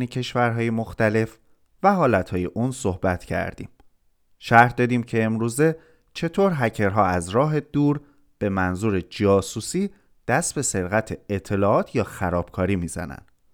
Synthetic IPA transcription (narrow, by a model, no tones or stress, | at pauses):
necʰe̞ʃvæɾɦɒːje̞moxt̪æle̞f | væɦɒːlæt̪hɒːje̞ʔuːnso̞hbæt̪ʰcʰæ̰ɾd̪̥ḭːm | ʃæɾhd̪ɒːd̪iːmcʰe̞ːmɾuːze̞ | t͡ʃʰe̞t̪ʰoɾɦæcʰe̞ɾɦɒːæzɾɒːɦe̞d̪uːɾ | b̥e̞mænzuːɾed͡ʒɒːsuːsiː | d̪̥æst̪̚be̞seɾɣæt̪ʰe̞et̪ʰːe̞lɒːɒːt̪ʰjɒːxæɾɒːb̥kʰɒːɾiːmiːzæ̰næ̰nd̪̥